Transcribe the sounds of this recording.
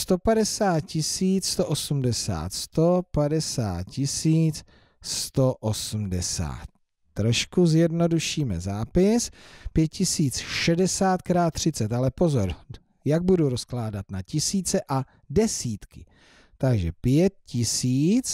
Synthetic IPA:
st̪o̞padɛsaːt̪̚cɪsiːt͡sst̪o̞ʔosumdɛsa̰ːt̪st̪o̞padɛsa̰ːt̪̚cɪsiːt͡s | st̪o̞ʔosm̩dɛsa̰ːt̪̚ː | ɾo̞ʃkuzjɛdno̞duʃiːmɛ̰zaːpɪspjɛt̪cɪsiːt͡sʃɛdɛsaːt̪kɾaːt̪ːr̝̥ɪt͡sɛt̪alɛpo̞zo̞ɾ | jaɡ̚buduɾo̞sklaːdat̪nacɪsiːt͡sɛʔa | dɛsiːt̪kɪ̰ | t̪aɡʒɛpjɛt̪̚cɪsiːt͡s

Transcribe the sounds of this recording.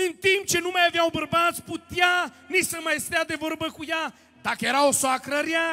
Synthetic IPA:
ent̪ĩm̚t͡ʃenũmɛɐvjawbəɾbazput̪ja | nisɐmajst̪ad̪evoɾbɐkuja | t̪akeɾaosoakɾɐɾja

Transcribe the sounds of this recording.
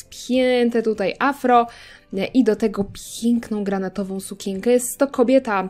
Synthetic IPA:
pʲjɛnt̪ɛt̪ut̪ajʔafɾɔ | ʔid̪ɔt̪ɛɡɔpʲjɛŋknɔ̃w̃ɡɾanat̪ɔvɔ̃w̃sukʲɛŋkɛjɛst̪ːɔkɔbʲjɛt̪a

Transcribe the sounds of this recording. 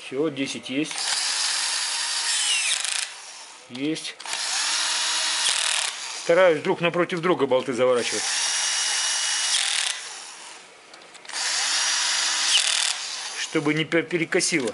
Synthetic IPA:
fsʲodʲesʲɪtʲjesʲtʲ | jesʲtʲ | st̪ɐɾajʊsʲd̪ɾuknɐpɾo̞tʲɪvd̪ɾuɡəbɐlˠt̪ɨzəvɐɾat͡ɕɪvətʲ | ʂt̪o̞bɨnʲɪpʲpʲɪɾʲɪkɐsʲilˠə

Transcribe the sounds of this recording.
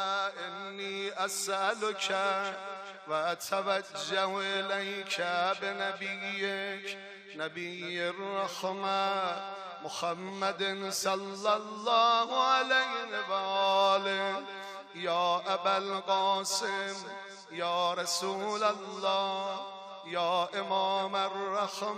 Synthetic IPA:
ʔɪnːiːʔasʔalokʰa | ʋaːt̪ʰaʋad͡ʒːahʔelajkʰæbenabijːe | nabijːerːaxmæ | moxamːad̪ensɑlːalːɑːhʕalajevaʔɔːlem | jɑːʔabalqɑːsem | jɑːɾasuːlalːɑː | jɑːʔemɑːmarːax

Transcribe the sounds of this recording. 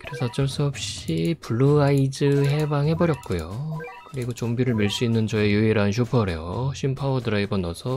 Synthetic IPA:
kɯɾe̞sʰʌat͡ɕ͈ʌɭs͈uʌp̚ɕ͈ipuɭːuaid͡ʑɯɦe̞baŋhe̞bʌɾjʌt̚k͈ujokɯɾiɡot͡ɕombiɾɯɭmiɭs͈uinːɯnt͡ɕʌejuiɾaɯnɕ̬ʰjupʰʌɾejoɕʰimpʰaodɯɾaebʌnːʌsʰʌ

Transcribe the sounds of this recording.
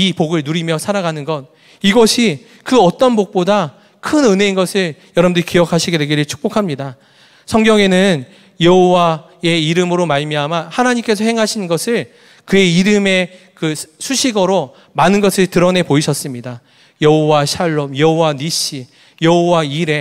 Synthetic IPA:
ipoɡɯɭnuɾimjʌsʰaɾaɡanɯnɡʌn | iɡʌɕʰi | kɯʌt͈ʌnbok̚p͈oda | kʰɯnɯne̞inɡʌsʰɯɭjʌɾʌmndɯɾikijʌkʰaɕʰiɡede̞ɡiɾɯɭt͡ɕʰu̥k̚p͈okʰamɲida | sʰʌŋɡjʌŋe̞nɯn | jʌɦowa | e̞iɾɯmɯɾomaɭmjiɦamahanaɲimk͈e̞sʰʌhe̞ŋɦaɕʰinnɡʌsʰɯɭ | kɯe̞iɾɯme̞ | kɯsʰuɕʰiɡʌɾo | manɯnɡʌsʰɯɭtɯɾʌne̞poiɕʰʌs͈ɯmɲida | jʌɦowaɕʰaɭːomjʌɦowaniɕ͈i | jʌɦowaiɾe̞

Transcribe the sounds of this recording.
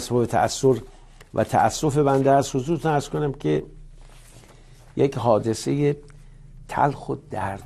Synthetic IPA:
sbɒːbet̪ʰæ̰ʔæsːoɾ | væ̰t̪ʰæ̰ʔæsːo̞fe̞bænd̪eæst̪hozuːɾt̪unæɾz̥konæmkʰe | jekɦɒːd̪e̞seje | t̪ʰæ̰lxod̪̥æɾ

